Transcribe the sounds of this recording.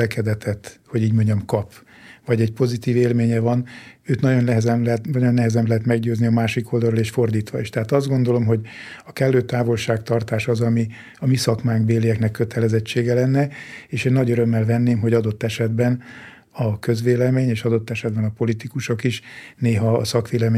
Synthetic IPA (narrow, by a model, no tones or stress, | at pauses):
ɛkɛd̪ɛt̪ɛt̪ho̞ɟiːɟmoɲɟɒmkɒp | vɒɟɛɟpo̞zit̪iːveːlmeːɲɛvɒnøːt̪nɒɟo̞nlɛɦɛzɛmlɛt̪nɒɟo̞nːɛɦɛzɛmlɛɦɛt̪mɛɡɟøːzniɒmaːʃiko̞ld̪ɒlɾoleːʃfo̞rd̪iːt̪ʋɒḛːʃt̪ɛɦaːt̪ɒzd̪ɡo̞nd̪o̞lo̞mɦo̞ɟɒkɛlːøːt̪aːvo̞lʃaːkt̪ɒrt̪aːʃɒzɒmi | ɒmisɒkmaːŋɡbeːlːijɛknɛkːøt̪ʰɛlɛzɛt͡ʃːeːɡɛlɛnːɛeːʃeːnːɒɟøɾømːɛlvɛnːeːmɦo̞ɟɒd̪o̞t̪ːɛʃɛd̪bɛn | ɒkø̞zʋeːlɛmeːɲeːʃɒd̪o̞t̪ːɛʃɛd̪̚bɛnɒpo̞lit̪ikuʃo̞kiʃneːɦɒːsɒkʋeːlɛme